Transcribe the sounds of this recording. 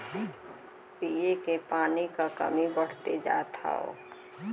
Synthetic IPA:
piːekepaːnikakə̰mibəɽ̤t̪ed͡ʒa̰ːt̪ʰa̰o̰

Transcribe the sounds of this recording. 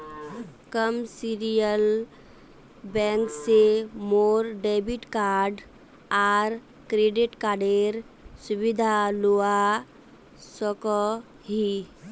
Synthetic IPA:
kəmsiɾijəl | bɛ̃ːŋksemoːɾɖeːbɪʈkaːɾɖ | aːɾ | kɾeɖɪʈkaːɾɖeːɾ | sʊbɪd̪ʱaloːa | sɔkɔ | ɦi

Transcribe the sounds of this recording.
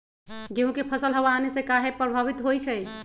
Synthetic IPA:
ɡeɦũkepʰəsəlɦəbaːnesẽkaɦepɾəbʱaβit̪ɦojt͡ʃʰɛj

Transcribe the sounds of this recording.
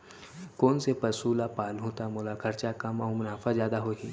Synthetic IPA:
koːnsepɐsuːlapaːlɦũːt̪amʊlakʰɐɾt͡ʃakɐmɔːmʊnaːfʰazjaːd̪aɦoːɦḭː

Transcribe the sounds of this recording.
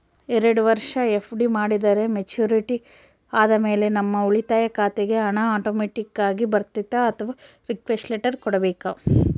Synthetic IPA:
ɛɾɐɽuʋɐɾʂɐefʰɖimaːɽid̪ɐɾe̞met͡ʃjuːɾiʈi | aːd̪ɐme̞ːle̞nɐmːɐuɭit̪aːjɐkaːt̪eɡe̞ɐɳɐaːʈoːmeːʈikːaːɡibɐɾt̪it̪ːɐːt̪ʰɐʋa | ɾikʋesʈleːʈɐɾkɔɽɐbeːka

